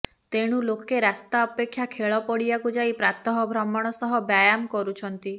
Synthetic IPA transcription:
t̪eɽ̃ulokeɾast̪aɔpekʰːjakʰeɭɔpɔɽibakud͡ʒaipɾat̪ɔɦɔbʱɾɔmːɔɽ̃ɔsɔɦɔbjajamkɔɾut͡ʃʰɔnt̪i

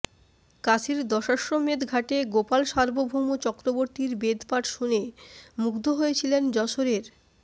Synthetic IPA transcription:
kat͡ɕʰiɾd̪ɔʃaʃɾomed̪ɡʱaʈeɡopalʃaɾbobʱumot͡ɕɔkɾoboɾt̪iɾbed̪ʱpaʈʃunemukd̪ʱoɦojet͡ɕʰilend͡ʑɔʃoɾeɾ

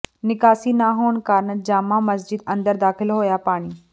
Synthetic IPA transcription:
nɪkaːsinaːɦoːnkaːɾnəd͡ʑaːmãmɐsd͡ʑɪd̪ɐ̃nd̪əɾd̪aːxɪlɦoːjapaːɽ̃iː

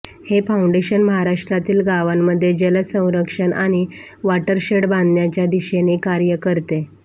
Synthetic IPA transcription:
hefauɳɖeɕənməɦaɾaʂʈɾat̪iːlɡaʋamːəd̪ʱːjed͡ʑələsə̃w̃ɾəkʂənʔaɽ̃iʋaʈəɾɕeɽbãnd̪njat͡ɕjad̪iɕenekaɾjəkəɾt̪e

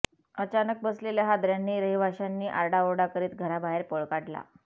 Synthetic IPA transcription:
ət͡ɕanək̚bəsleljaɦad̪ɾjanːiːɾəɦibʱaɕanːiːʔaɾɽaoɽakəɾiːt̪̚ɡʱəɾabaɦeɾpoɭkaʈla̰

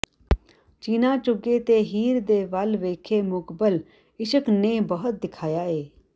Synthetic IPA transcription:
t͡ʃiːnaːt͡ʃʊɡet̪eːɦiːɾd̪eːʋəlʋeːkʰeːmʊkbəl | ɪʃəkneːbəɦʊt̪̚d̪ɪkʰaːjaːeː

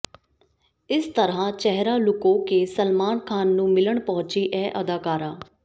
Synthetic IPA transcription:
ɪst̪əɾãːt͡ʃɛɦɾaːlʊkõːkeːsəlmaːnkʰaːnːũːmɪləɳpəɦʊ̃t͡ʃiːʔɛːʔəd̪aːkaːɾaː

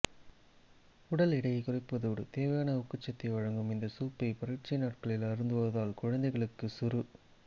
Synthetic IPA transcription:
ʊɽɐlɪɽɐjkʊrɪpːɐðuːɽɯt̪eːʋɐjaːnɐʊkːɯt͡ʃːɐt̪ːɐʋɐɻɐŋɡɯmɪnd̪ɐsuːpːɐɪpɐɾɪʈt͡ʃːɪnaːʈkɐɭɪlɐɾɯnd̪ɯʋɐðaːlkʊɻɐnd̪ɐɪɣɐɭɯkːɯsʊɾɯ

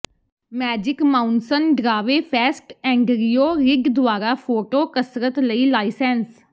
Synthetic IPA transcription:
mɛːd͡ʒɪkmaːʊnsənɖɾaːʋeːpʰɛːsʈɛ̃ːŋɡɾijoːɾɪɡd̪ʊaːɾaːpʰoːʈoːkəsɾət̪ləiːlaːisɛns

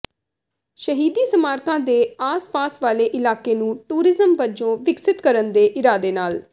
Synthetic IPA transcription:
ʃəɦiːd̪iːsəmaːɾkãːd̪eːaːspaːsʋaːleːʔɪlaːkeːnũːʈuːɾɪzəmʋəd͡ʒõːʋɪksɪt̪kəɾənd̪eːʔɪɾaːd̪eːnaːl

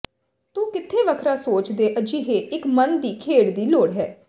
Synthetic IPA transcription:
t̪uːkɪt̪ʰːeːʋəkʰɾaːsoːt͡ʃd̪eːʔəd͡ʒiːɦeːɪkmənd̪iːkʰeːɽd̪iːloːɽɦɛː

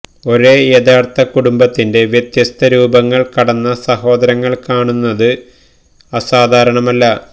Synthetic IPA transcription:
o̞ɾe̞ːeːðaːrt̪ɐkuɽumbɐt̪ːinde̞ʋjɐt̪jɐst̪ʰɐɾuːbɐŋːɐɭkɐɽɐnːɐsɐɦo̞ːd̪ɐɾɐŋːɐɭkaːɳunːɐðɨ | ɐsaːd̪ʱaːɾɐɳɐmɐlːɐ

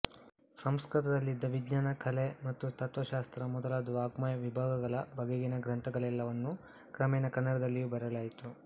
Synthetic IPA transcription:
sɐmskɾit̪ɐd̪ɐlːid̪ːɐʋiɡɲaːnɐkʰɐlemɐt̪ːut̪ɐt̪ʋɐʃaːst̪ɾɐmɔd̪ɐlɐd̪ʋaːɡmajɐʋibʱaːɡɐɡɐɭɐbʱɐɡeɡinɐɡɾɐnt̪ʰɐɡɐɭɛlːɐʋɐnːu | kɾɐmɛːnɐkɐnːɐɽɐd̪ɐlːijuːbɐɾɐlaːjt̪u

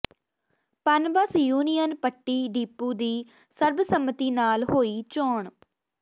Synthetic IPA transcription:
pənbəsjuːnijənpəʈːiːɖiːpːuːd̪iː | səɾbsəmt̪iːnaːlɦoːiːt͡ʃɔːɳ

